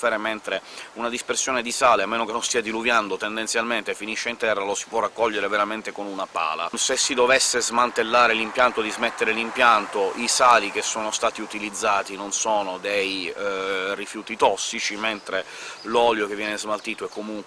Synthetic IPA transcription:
eɾement̪ɾeunad̪ispersjoːned̪isaːleamːeːnokenːõnst̪iːad̪iluvjand̪ot̪end̪ent̪sjalment̪efiniʃːeint̪ɛrːalosi̥pwɔrakːɔʎːeɾeveɾament̪ekonunapa̰ːla̰sesːid̪ovesːezmant̪elːaːɾelimpjant̪od̪izmet̪ːeɾelimpjant̪oʔisaːlik̟esːoːnost̪aːt̪iut̪ilid̪zːaːt̪inonsoːnod̪ej | rifjuːt̪it̪ɔsːit͡ʃiment̪ɾe | lɔljokevːjɛːnezmalt̪iːt̪oɛkːomuŋ

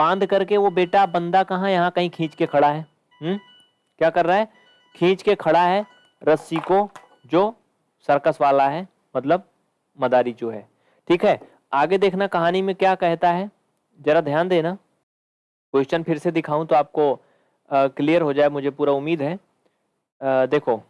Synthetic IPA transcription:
bãːnd̪kɐɾkeʋobeːʈabɐ̃nd̪akɐɦãjɐɦãkɐɦĩkʰĩːt͡ʃkekʰɐɽaɦɛː | ɦ | kjaːkɐɾːaɦɛː | kʰĩːt͡ʃkekʰɐɽaɦɛː | ɾɐsiko | d͡ʒoː | sɐɾkəsʋaːlaɦɛː | mɐt̪ləb̚ | mɐd̪aːɾit͡ʃoːɦɛ̰ː | ʈʰiːkɦɛː | aːɡed̪eːkʰnakɐɦaːnimẽkjaːkɛɦt̪aɦɛ | d͡ʒɛːɾad̪ʱjaːnd̪eːnaː | kʊʃt͡ʃənpʰɪɾsed̪ɪkʰaːũt̪oaːp̚ko | kliːjəɾɦod͡ʒaːemʊd͡ʒʱepuːɾaʊmːiːd̪ɦɛː | d̪eːkʰoː

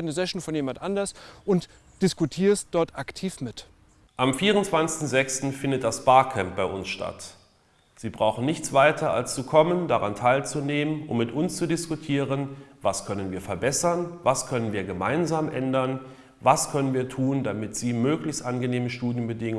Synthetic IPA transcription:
nəzɛʃn̩fɔnjeːmantʔandɐsʔʊnt | d̥ɪskutʰiːɐstd̥ɔɐtʔaktʰiːfmɪt | ʔamfiːʁʊntt͡sv̥ant͡sɪ̥stn̩zɛkstn̩fɪndət̚d̥asb̥aːɐkʰɛmp̚b̥aɪʔʊnsʃtʰa̰t | z̥iːbʁaʊxn̩nɪçt͡sv̥aɪtʰɐa̰lst͡sukʰɔməndaʁa̰ntʰaɪlt͡suneːmənʊ̰mːɪtʔʊnst͡sudɪskutʰiːʁənvaskʰœnənviːɐfɛɐbɛsɐnvaskʰœnənviːɐɡəma̰ɪnzaːmʔɛndɐn | vaskʰœnənviːɐtʰuːndamɪtz̥iːmøːklɪçstʔanɡəneːməʃtuːdjənbədɪŋʊ

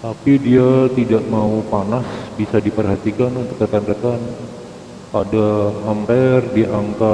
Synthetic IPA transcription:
t̪apidiat̪idaʔmaupanasbisadipərɦat̪ikanunt̪ʊ̥k̚d̪əkand̪əkan | adaɦampɛrdiʔaŋka

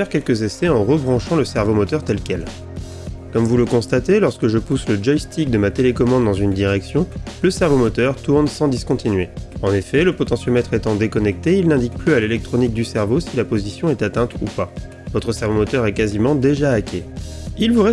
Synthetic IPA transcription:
ɛʁkʲɛlkəzesɛɑ̃ʁəbʁɑ̃ʃɑ̃ləsɛʁvomɔt̪œʁt̪ɛlkʲɛl | kɔmvuləkɔ̃st̪at̪elɔʁskəʒəpusləd͡ʒɔjst̪ʰik̚d̪əmat̪elekɔmɑ̃d̪ːɑ̃zynd̪iʁɛksjɔ̃ləsɛʁvomɔt̪œʁt̪uʁnsɑ̃d̪iskɔ̃t̪ʰinɥeɑ̃nefɛləpɔt̪ɑ̃sjømɛt̪χet̪ɑ̃d̪ekɔnɛk̚t̪eilnɛ̃d̪ik̚plyalelɛk̚t̪χɔnik̚d̪ysɛʁvosilapozisjɔ̃ɛt̪at̪ɛ̃t̪upa | vɔt̪χəsɛʁvomɔt̪œʁɛkazimɑ̃d̪eʒaːkʲʰeilvuʁɛ

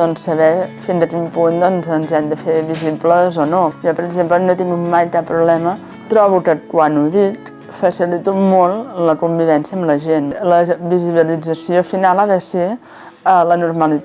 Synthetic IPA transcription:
ɔnsəβɛfinzəkimpund̪ɔnzənzɛmd̪əfeβizibləzɔnojɔpəɾəɡzemplənot̪iŋumajkapːɾuβlɛmə | t̪ɾɔβ̞ukəkwanuðik | fəsilit̪umolˠləkumbiβɛnsiəmləʒenləβiziβ̞ilid͡zəsiofinalˠaðəse | ələnuɾməli

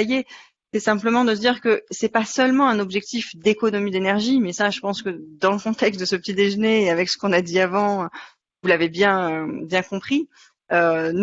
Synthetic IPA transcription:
je | sɛsɛ̃pləmɑ̃d̪əs̬əd̪iʁkəsɛpasœlmɑ̃ɛ̃nɔbʒɛk̚t̪ifd̪ekɔnɔmid̪enɛʁʒimɛsaʒəpɑ̃skəd̪ɑ̃ləkɔ̃t̪ɛkst̪̚d̪əsəpə̥t̪id̪eʒəneːavɛksə̥kɔ̃nad̪iavɑ̃ | vulavebjɛ̃øbjɛ̃kɔ̃pχi | øn

